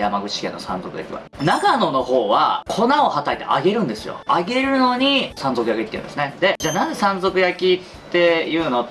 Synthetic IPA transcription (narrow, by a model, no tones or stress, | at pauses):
jamaɡɯ̟t͡ɕi̥kẽ̞nːo̞sã̰nzo̞kɯ̟ja̰kʲḭβa̰naɡano̞no̞ho̞ːβa̰kʰo̞nao̞hat̪ait̪ḛʔa̰ɡe̞ɾɯ̟̃nd̪e̞sɨjo̰aɡe̞ɾɯ̟no̞ɲ̟isãnzo̞kɯ̟jakeit̪ːeɯ̰̃nd̪esɨned̪e̞d͡ʑaːnaze̞sãnzo̞kɯ̟jakʲitt̪ːe̞jɯ̟ːno̞